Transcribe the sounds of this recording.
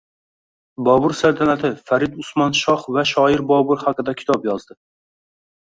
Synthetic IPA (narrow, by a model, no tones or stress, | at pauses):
bɑːbʊɾsælt̪ʰɛnæt̪ʰɪfæɾɪd̪usmɑnʃɑχvɛʃɑɪɾbɑːbuɾχaqɨd̪ɛkʲʰi̥t̪ʰɑpjɑzd̪ɨ